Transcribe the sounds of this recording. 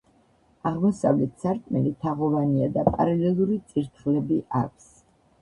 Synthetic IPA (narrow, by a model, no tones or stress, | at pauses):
aʁmɔsavlɛt̪ʰsaɾkʼmɛlit̪ʰaʁɔvaniad̪apʼa̰ɾalɛlˠuɾit̪sʼiɾt̪ʰχlɛbiʔa̰k̚ʷʰs